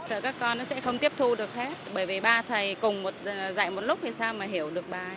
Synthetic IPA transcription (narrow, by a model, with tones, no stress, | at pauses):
səː˧˩kaː˦˥kːɔ˧nːɔ˨˦sɛ̰˧˥xə˧wŋ͡mt̪i˦˥əp̚t̪ʰu˧ɗɨ˨˩ək̚he˦˥t̚ɓəː˧˩jvi˨˩ɓaː˧t̪ʰə˨˩jkʊ˨˩ŋ͡mmo˨˩t̚za̰ː˧˨jmo˨˩t̚lʊ˦˥k͡p̚vi˨˩saː˧wmaː˨˩ɦi˧˩əwɗɨ˨˩ək̚ɓaː˨˩